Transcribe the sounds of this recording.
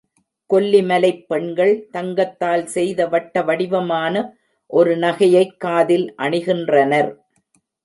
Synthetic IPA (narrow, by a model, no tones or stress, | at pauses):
kɔlːimɐlɐɪpːɛɳɡɐɭt̪ɐŋɡɐt̪ːaːlsɛjðɐʋɐʈːɐʋɐɽɪʋɐmaːnɐ | ʔɔɾɯnɐɣɐjɐɪkːaːðɪlʔɐɳɪɣɪndrɐnɐɾ